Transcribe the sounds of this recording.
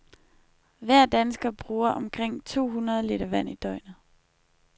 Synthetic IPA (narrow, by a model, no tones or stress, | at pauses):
ʋæɐ̰d̥ænsɡ̥ɐb̥ʁuːɐʔɒ̽mkʰʁeŋ̰t͡sʰo̝̰ːɦunɐð̞ˠliɾ̥ɐʋæn̰id̥ɒ̽ɪ̰nə